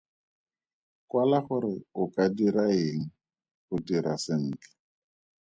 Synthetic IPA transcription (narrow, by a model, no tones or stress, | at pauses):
kwalaχʊɾɪʊkʼadiɾaeːŋ̩ | χʊdiɾasɪŋ̩ːkɪ̥